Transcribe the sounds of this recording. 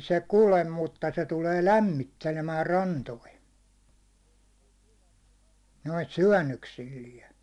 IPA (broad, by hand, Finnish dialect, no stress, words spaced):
se kulem mutːɑ se tuleː læmːitːelemæː rɑntoi noit syæ̹nːøksilːiɛ